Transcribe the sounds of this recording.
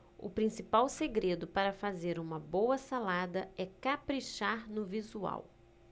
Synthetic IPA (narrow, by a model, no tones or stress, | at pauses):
ʊ̰pɾĩsipawseɡɾed̪ʊpaɾɐfazeɾũmɐbowɐsalad̪ɐɛkapɾiʃaɾnʊvizua̰w